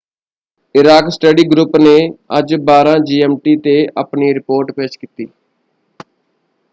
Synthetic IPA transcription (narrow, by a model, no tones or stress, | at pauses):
ɪɾaːksʈəɖiːɡɾʊpneːəd͡ʒbaːɾãːd͡ʒiːɛːmʈiːt̪eːəpniːɾɪpoːɾʈpeːt͡ʃkit̪ḭː